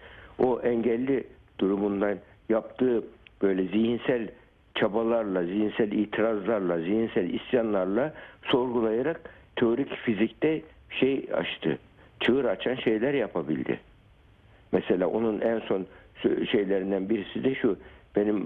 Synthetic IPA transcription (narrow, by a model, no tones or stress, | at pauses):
oʔɛɲɟɛlʲːi | d̪̥uɾumund̪an | jap̚t̪ʰɯːb̥ø̞jlʲɛziɦinsælʲ | t͡ʃʰabalˠaɾlˠazihinsælʲiːt̪ʰiɾazlˠaɾlˠaziɦinsælʲist̪janlˠaɾlˠaso̞ɾɡulˠajaɾak̚t̪ʰeoɾicfizict̪ɛ | ʃeja̰t͡ʃt̪ʰɯ̰ | t͡ʃʰɯɯɾat͡ʃʰanʃe̞jlʲæɾjapʰabḭlʲd̪ɪ̰ | mɛselʲaːʔo̞nunʔænso̞nsʃe̞jlʲe̞ɾind̪ænbiɾisid̪ɛʃub̥e̞nim